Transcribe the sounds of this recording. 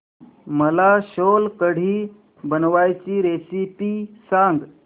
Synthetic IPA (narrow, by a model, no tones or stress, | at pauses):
məlaɕolkəɽ̤iː | bənʋajt͡ɕiːɾesipiːsaŋɡ